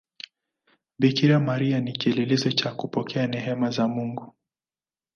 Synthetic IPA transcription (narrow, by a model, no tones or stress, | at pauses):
bikiɾamaɾianikiɛlɛlɛzɔt͡ʃakupɔkʰɛanɛɦɛmazamuŋɡu